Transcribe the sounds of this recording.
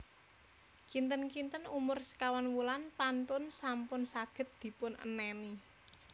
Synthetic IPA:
kint̪ənkint̪ənumʊrsə̥kawanwulanpant̪ʊnsampʊnsaɡ̥ə̤t̪̚d̪̥i̤pʊnʔə̰nɛni

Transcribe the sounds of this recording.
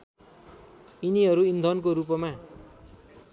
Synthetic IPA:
iniɦʌɾuind̪ʱʌnkoɾup̬ʌma

